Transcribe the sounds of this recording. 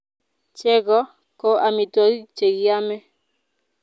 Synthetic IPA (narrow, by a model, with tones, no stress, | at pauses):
t͡ʃɛ˦ɡɔ˦ | ko˦ʔa˨mɪ˨tɔ˦i˦t͡ʃe˨ɡja˦mɛ˦